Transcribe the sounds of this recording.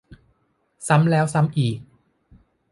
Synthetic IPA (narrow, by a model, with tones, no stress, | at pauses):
sa˦˥mlɛː˦˥wsa˦˥mʔiː˨˩k̚